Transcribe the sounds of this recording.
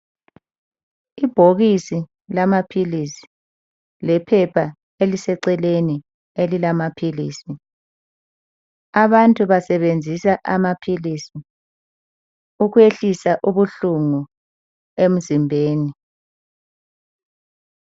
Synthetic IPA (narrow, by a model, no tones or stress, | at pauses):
ib̥ʱoɣisi | lamapʰilisi̥ | lɛpʰɛpʰa | elisɛǀɛleni | elilamapʰilḭːsi | aβantʼuβasɛβend͡zʱisaʔamapʰilisi | uɣweɬisaʔuβuɬuŋu | em̩zimbʱeːni